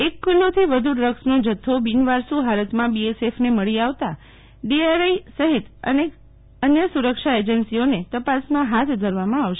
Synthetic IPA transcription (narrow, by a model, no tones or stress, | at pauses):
ekːulːot̪ʰiʋəd̪ʱuɖɾəksnod͡ʒət̪ʰːobinʋaɾsuɦaɾət̪mãbiesefneməɭiaʋt̪a | ɖiaɾaisəɦit̪ə̰ne | ənjəsuɾəkʃaed͡ʒənsionet̪əpasmãɦat̪ʰd̪ʱəɾʋamãaʋʃe